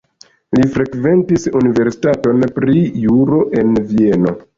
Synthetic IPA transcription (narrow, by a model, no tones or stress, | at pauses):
lifɾekve̞ntisunive̞ɾsi̥tato̞npɾijuɾo̞ʔe̞nvie̞no̞̰